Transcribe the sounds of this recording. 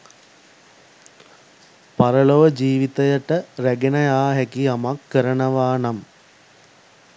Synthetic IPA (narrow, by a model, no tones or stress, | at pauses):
paɾəloʋəd͡ʒiːʋit̪ɐjəʈəɾæɡenɐjaːɦɛkiamakːəɾənəʋaːnam